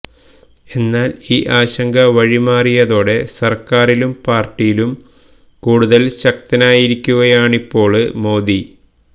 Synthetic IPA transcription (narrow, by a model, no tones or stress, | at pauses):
e̞nːaːliːʔaːɕɐŋɡɐʋɐɻimaːrijɐðo̞ːɽe̞sɐrkaːrilumpaːrʈːijilum | kuːɽuðɐlɕɐk̚t̪ɐnaːjiɾikʲːuɣɐjaːɳipːo̞ːɭɨmo̞ːd̪i